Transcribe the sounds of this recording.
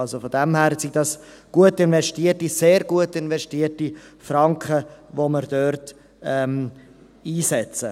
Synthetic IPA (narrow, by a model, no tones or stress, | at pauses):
ɑlzofɔdɛmhæːɾsiɡdɑs | ɡ̥uətɪnvɛʃtiətiseːɾɡuətɪnvɛʃtiərtifɾɑŋkχəvoməɾd̥øɾt | ɛm | iːsɛt͡sə